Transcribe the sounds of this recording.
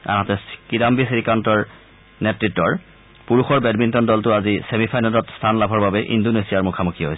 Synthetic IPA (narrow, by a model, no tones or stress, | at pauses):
a̰ɦatɛkidambisiɹikantɔɹ | nɛtɹitːɔɹ | puɹuxɔɹbɛdmintɔndɔltʊazisemipʰajnalɔtstʰanlabʱɔɹbabɛʔḭndonesijaɹmukʰamukʰiɦojsɛ